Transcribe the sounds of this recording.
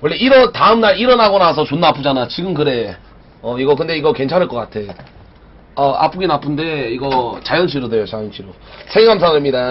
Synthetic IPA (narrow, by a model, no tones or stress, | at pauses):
wʌɭːeiɾʌtaɯmnaɾiɾʌnaɡonasʰʌt͡ɕonːapʰud͡ʑanat͡ɕiɡɯmkɯɾe̞ | ʌiɡʌkɯnde̞iɡʌkwe̞nt͡ɕʰanɯɭk͈ʌk͈atʰe̞ | ʌa̰p͈ʰuɡinapʰɯnde̞iɡʌt͡ɕajʌnɕʰiɾodejot͡ɕajʌnɕʰiɾo | sʰeɡams̬ʰaŋɯɭmɲida